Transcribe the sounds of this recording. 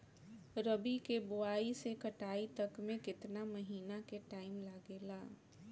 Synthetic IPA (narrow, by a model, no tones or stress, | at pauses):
ɾɐbikebʊaːisekɐʈaːit̪ɐkmẽkɪt̪namɐɦiːnakeʈaːɪmlaːɡeːlaː